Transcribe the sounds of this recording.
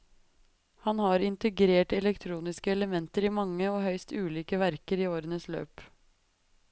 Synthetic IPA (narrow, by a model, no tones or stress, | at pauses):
hɑnhɑːɾɪnt̪əɡɾeːʈɛlɛkt̪ʰɾuːnɪskəɛləmɛnt̪əɾiːmɑŋːəoːhœʏst̪ʉːliːkəʋæɾkəɾiːoːɾənəslø̰ːp